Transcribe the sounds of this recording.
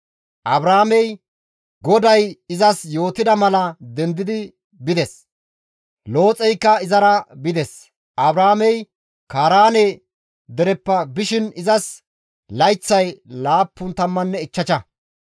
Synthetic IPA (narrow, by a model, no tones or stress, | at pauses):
ʔɐbɾaːmɛj | ɡɔd̪ɐjɪzɐsjo̞ːt̪ɪd̪ɐmɐlɐd̪ɛnd̪ɪd̪ɪ | bɪd̪ɛs | lo̞ːt͡sʼɛjkːɐɪzɐɾɐbɪd̪ɛs | ʔɐbɾaːmɛj | kaːɾaːne | d̪ɛɾɛpːɐbɪʃɪnɪzɐs | lɐjt͡sːɐjlaːpːʊnt̪ɐmːɐnːɛɪt͡ʃːɐt͡ʃɐ